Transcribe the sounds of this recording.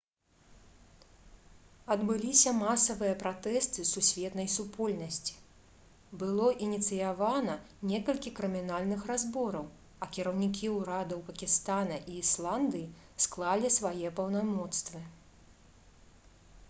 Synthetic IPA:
ɐd̪bɨlʲisʲɐmasɐvɨjɐpɾat̪ɛst̪ɨsusʲvʲɛt̪nɐjsupʰɔlʲnɐsʲt͡sʲi̥ | bɨlˠɔʔinʲit̪sɨjavanɐ | nʲɛkɐlʲkʲikɾɨmʲin̪alʲnɨxrazbɔɾɐw | ɐkʲiɾɐwnʲikʲiwɾad̪ɐwpɐkʲist̪anɐʔiːslˠand̪ɨji | sklˠalʲisvajɛpɐwnamɔt̪st̪vɨ

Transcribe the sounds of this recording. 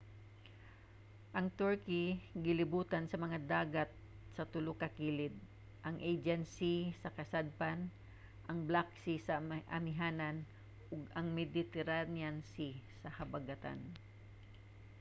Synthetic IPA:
ʔɐŋt̪uɹkɪɡɪlɪbuːt̪ansɐmɐŋad̪aːɡat̪̚ | sɐt̪ʊlʊkɐkiːlɪd̪̚ | ʔɐŋʔejd͡ʒɛnsisɐkɐsad̪̚pan | ʔɐŋblaksɪsɐʔɐ̰mɪɦaːnan | ʔʊɡɐŋmɛd̪ɪt̪ɛɾanjansisɐhɐbaɡat̪a̰n

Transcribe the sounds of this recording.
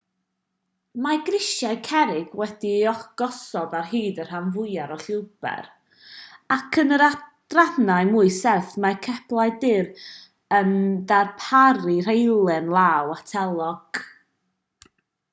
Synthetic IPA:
maɡrɪʃjajkʰɛɾɪɡwɛdiɔɡ̥ɔsɔbarɦiːdər̥hanvʊjaɾɔɬɪwb̥ɛ̰ɾ | akʰənəɾad̥raðnaɨmʊɨsɛrθmakʰɛplˠajdɪɾ | əndarpʰaɾir̥ejlˠɛnlˠaːwatʰɛlˠɔɡ̥

